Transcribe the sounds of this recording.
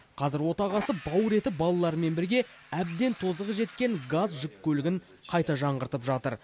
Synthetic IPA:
qʰɑzɪɾwo̞t̪ɑʁɑsəbɑwɾe̞t̪ɪbɑlˠɑlˠɑɾəme̞nbɪɾɡʲe̞ | æb̚d̪e̞nt̪ʰo̞zəʁəʒe̞t̪kʲe̞ŋɡazʒʏkʲkʲːɵlɪɡʲɪɴ | qʰɑjt̪ɑʒɑɴʁəɾt̪əpʒɑt̪əɾ

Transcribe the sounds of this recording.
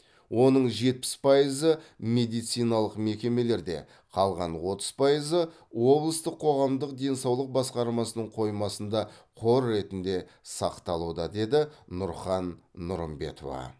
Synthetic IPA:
wo̞nəɴʒe̞t̪̚pɪ̥spʰɑjəzəmʲe̞d̪ijt̪sijnɑlˠəqme̞kʲe̞me̞le̞ɾd̪e̞̰ | qʰɑlˠʁɑnwo̞t̪ə̥z̥pʰɑjəzə | wo̞blˠəst̪əqʰːo̞ʁɑmd̪əq̚d̪e̞nsɑwlˠəq̚bɑsqɑɾmɑsənəɴqʰo̞jmɑsənd̪ɑqʰo̞ɾːe̞t̪ɪnd̪e̞ | sɑqt̪ɑlˠud̪ɑd̪e̞d̪ɪnʊɾχɑnːʊɾəmbe̞̰t̪ʰo̞̰vɑ̰

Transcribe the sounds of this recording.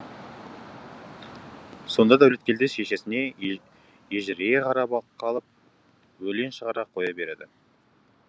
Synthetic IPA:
so̞nd̪ɑd̪æwle̞t̪̚kʲe̞ld̪eʃeʃe̞sɪne̞ | jeʒɪɾeeqʰɑɾɑbɑqʰːɑlˠəp̚ | wɵle̞nʃəʁɑɾɑqʰo̞jɑbe̞ɾed̪ɪ

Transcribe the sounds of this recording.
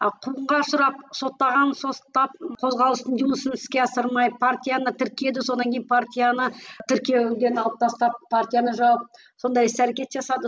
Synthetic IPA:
qʰuəɴʁɑʃʊɾɑp̚so̞t̪ːɑʁɑnso̞t̪ːɑp̚qʰo̞zʁɑlˠəst̪ənd̪unˠəsənsɪ̥skʲe̞ɑsəɾmɑjpʰart̪ʲijanət̪ʰʏɾkʲije̞d̪ɪso̞d̪ɑŋkʲʰejnpʰart̪ʲijanət̪ʰʏɾkʲijeʏld̪e̞nɑlˠəp̚t̪ʰɑst̪ɑp̚pʰart̪ʲijanəʒɑwəp̚ | so̞nd̪ɑjsæɾekʲe̞t̪ʒɑsɑd̪ə

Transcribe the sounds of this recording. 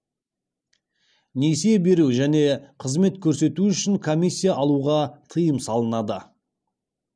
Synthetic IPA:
nesebe̞ɾuʒæne̞qʰəzme̞t̪kʲʰɵɾse̞t̪uʏʃɪŋkʰo̞mʲijsʲːijaʔɑlˠuʁɑt̪ʰəjəmsɑlˠənɑd̪ə

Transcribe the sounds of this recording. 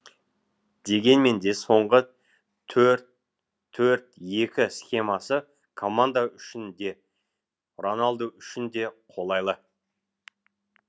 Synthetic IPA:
d̪e̞ɡʲe̞nme̞nd̪e̞so̞ɴʁə | t̪ʰɵɾt̪̚ʰː | ɵɾt̪je̞kʲɪsχʲe̞masə | kʰo̞mand̪aʏʃɪnd̪e̞ | ronalˠd̪əʏʃɪnd̪e̞qʰo̞lˠɑjlˠə

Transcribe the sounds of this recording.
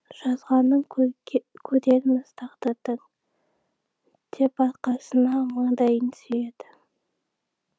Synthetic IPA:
ʒ̥ɑzʁɑnːəɴ | kʲʰɵd̪e̞ɾɪnəst̪ʰɑqt̪ɑd̪əŋ | d̪̥e̞pɑt̪qɑsənɑmɑɴd̪ɑjənsyje̞d̪̥ɪ

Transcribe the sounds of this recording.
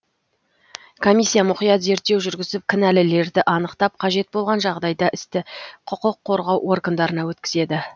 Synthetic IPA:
kʰo̞misʲːijamʊqijɑt̪ze̞ɾt̪ːe̞wʒʏɾɡʲɪzɪp̚kʲʰɪnælɪle̞ɾd̪ɪʔɑnəqt̪ɑp̚qʰɑʒe̞t̪̚bo̞lˠʁɑnʒɑʁd̪ɑjd̪ɑʔɪst̪ɪqʰʊqʊqʰːo̞ɾʁɑwʔo̞ɾɡənd̪ɑɾənɑwɵt̪kʲɪ̥ze̞d̪ɪ

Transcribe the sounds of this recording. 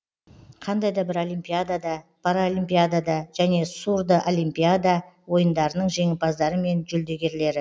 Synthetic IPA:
qʰɑnd̪ɑjd̪ɑbɪɾo̞limpʲijad̪ad̪ɑpʰaɾaolimpʲijad̪ad̪ɑʒ̥æne̞suɾd̪əʔo̞lijmpʲijad̪awo̞jənd̪ɑɾənəɴʒe̞ŋɪpɑzd̪ɑɾəme̞nʒɵld̪e̞ɡʲe̞ɾle̞ɾɪ

